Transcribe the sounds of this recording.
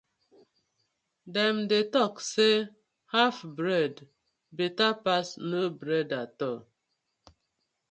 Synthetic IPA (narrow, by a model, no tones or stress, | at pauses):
dɛm̩dɪtɔkse | hafbɾɛd | bitapasnobɾɛdatɔ